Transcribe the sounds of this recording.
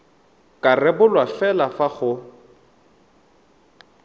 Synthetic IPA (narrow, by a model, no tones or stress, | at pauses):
kʼarɛbʊlwafɛlafaχʊ